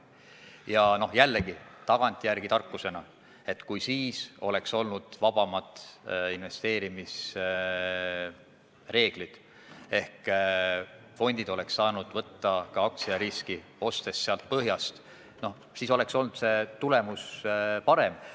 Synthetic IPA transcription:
jɑno̞jælːeɡ̥it̪ɑɡ̥ɑnʲt̪ʲːˑijærɡ̥it̪ɑrkːuse̞nɑ | e̞t̪ːˑkujsiːso̞le̞kso̞lnud̪̥vɑb̥ɑmɑt̪inve̞st̪e̞ːɾimis | re̞ːɡ̥lid̪̥ | e̞hk | fo̞nʲd̪̥id̪̥o̞le̞ksːɑːnud̪̥vɤt̪ːɑkɑɑk̚t̪siɑɾiskio̞st̪e̞sːeɑlt̪̚pɤɦjɑst̪ | no̞ | siːso̞lekso̞lnud̪se̞t̪ule̞muspɑɾe̞m

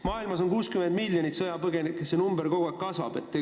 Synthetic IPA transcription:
mɑːilmɑso̞nkuːskyme̞nd̪milːjonit̪sɤjɑpɤɡe̞nikːˑesenumbeɾko̞ɡoekkɑsvɑ̰b̥et̪ːe

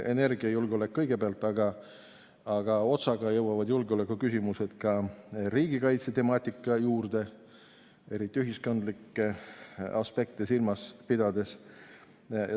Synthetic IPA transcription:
e̞ne̞rɡ̥iɑjulɡeo̞le̞kːɤ̞jɡe̞peɑlt̪ːˑɑɡ̥ɑː | ɡ̥ɑo̞t̪sɑɡ̥ɑjɤwɑvɑd̪julɡeo̞le̞kːˑukysʲimuse̞d̪̥kɑɾiːɡ̥ikɑjt̪set̪e̞mɑːt̪ʲːˑikːˑɑjuːrd̪̥e̞ | e̞ɾit̪ːˑiyɦisko̞nd̪likːˑeɑ̰spe̞k̚t̪esilmɑspid̪̥ɑd̪e̞s

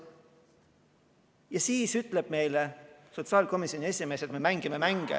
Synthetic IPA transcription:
jɑsiːsyt̪ːˑle̞b̥me̞jleso̞t̪sɑːlʲko̞misjo̞nie̞sime̞ːse̞t̪me̞mæŋɡ̥imemæŋɡ̥ḛ

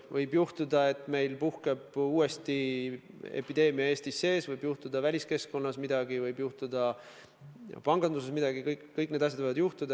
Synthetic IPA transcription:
vɤjbjuht̪ud̪ɑe̞t̪ːˑme̞jlpuhke̞b̥uːe̞st̪i | e̞̰pːid̪e̞ːmiɑe̞ːsʲt̪isːe̞ːsvɤjbjuht̪ud̪̥ɑvælʲiske̞sko̞nːɑsmid̪ɑɡivɤjbjuht̪ud̪̥ɑ | pɑŋɡ̥ɑnd̪use̞smid̪̥ɑɡ̥ikɤjkːɤjk̚ːˑned̪ɑs̬ʲjɑd̪vɤjvɑd̪juht̪ud̪ɑ

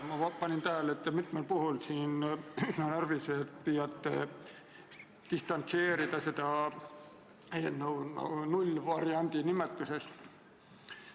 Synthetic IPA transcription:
mɑpɑnʲint̪æɦælet̪ːˑmit̪melpuɦulsiːnynɑnærviset̪pijɑt̪ːḛ | t̪ist̪ɑnt̪se̞ːɾid̪̥ɑsed̪̥ɑ | enːon̰nulʲvɑɾiɑnʲd̪̥inimet̪ːˑuse̞st̪

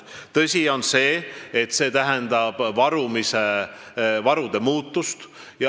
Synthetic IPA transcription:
t̪ɤsʲio̞nse̞ːet̪se̞ːt̪æɦend̪ɑb̥vɑɾumise | vɑɾud̪̥e̞muːt̪ːust̪ | jɑ

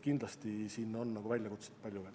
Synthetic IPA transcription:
kind̪lɑst̪isiːnːo̞nːɑɡ̥uvælʲjɑkut̪se̥t̪̚pɑlʲjuvel

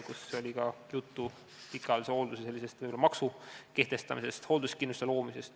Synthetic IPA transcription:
kuseo̞lʲikɑjut̪ːu | pikːˑɑliseo̞ld̪usese̞lʲːise̞st̪vɯjbolɑmɑksuke̞ht̪e̞st̪ɑmise̞st̪ho̞ld̪uskinːust̪elo̞ːmise̞st̪

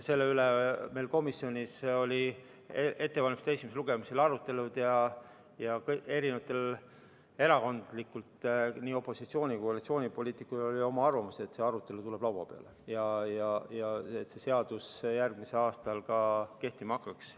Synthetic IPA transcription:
se̞lːe̞ylemelko̞misːio̞nʲiso̞lʲi | ee̞t̪ːe̞vɑlʲmist̪e̞sʲimeseluɡ̥e̞miselɑɾut̪ːˑe̞lud̪̥jɑ | jɑkɤe̞ɾinevɑt̪ˑːe̞l | e̞ɾɑko̞nd̪̥likːult̪niːo̞pːo̞sit̪sio̞ːnʲikohɑlit̪sio̞ːnʲipo̞lʲiːt̪ːˑikulo̞lʲio̞mɑɑrvɑmuse̞t̪se̞ɑɾut̪ːˑe̞lut̪ule̞b̥lɑwɑ̰pe̞ɑ̰lejɑjɑjɑet̪se̞se̞ɑd̪̥usjærɡmise̞lɑːst̪ɑlkɑke̞ht̪imɑɑkːˑɑks

